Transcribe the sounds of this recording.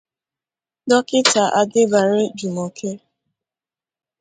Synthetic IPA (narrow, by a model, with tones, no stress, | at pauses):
dɔ˦kɪ˦ta˨ʔa˨dɪ˦ba˨ɾɪ˦d͡ʒu˨mo˨kʰe˦